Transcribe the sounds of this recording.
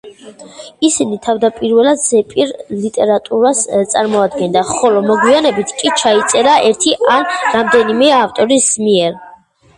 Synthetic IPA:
isinit̪ʰavd̪apʼiɾvɛlad̪z̥ɛpʼiɾlit̪ʼɛɾat̪ʼuɾast̪sʼaɾmɔad̪ɡɛnd̪aχɔlɔmɔɡwianɛbit̪ʰkʼit͡ʃʰait̪sʼɛɾaʔɛɾt̪ʰiʔanɾamd̪ɛnimɛaft̪ʼɔɾismiɛɾ

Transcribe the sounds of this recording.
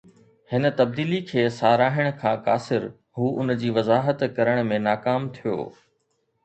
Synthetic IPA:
hɪnə̆t̪ɐb̚d̪iːlikʰeːsaːɾaːɦɪɽ̃ʊ̆kʰãːka̰ːsɪɾ | ɦuːʔʊnd͡ʑiːʋɐzaːɦət̪kɐɾəɽ̃mẽnaːkaːmt̪ʰijo̰ː

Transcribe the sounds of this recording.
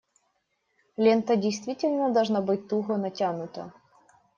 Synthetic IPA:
lʲent̪ədʲɪjst̪vʲitʲɪlʲnəd̪ɐlˠʐnabɨt̚ʲt̪uɣɔnɐtʲanʊt̪ə̰

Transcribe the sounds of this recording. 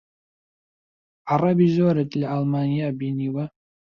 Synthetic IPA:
arabizoaɾatʼlʲalmanijabiniwa

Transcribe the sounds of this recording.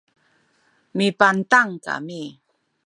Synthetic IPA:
mipant̪aŋka̰mi

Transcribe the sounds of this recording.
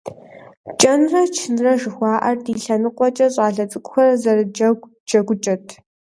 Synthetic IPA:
t͡ʃʼɐnrɐt͡ʃʰɪnrɐʒɨxʷɑːʔɐrdiːɬɐnɨqʷʼɔt͡ʃʼɐɕʼɑːɬɐt͡sʼɨkʷʼʊxɐrɐzɐrd͡ʒɐ | d͡ʒɐɡʷʊt͡ʃʼɐtʰ

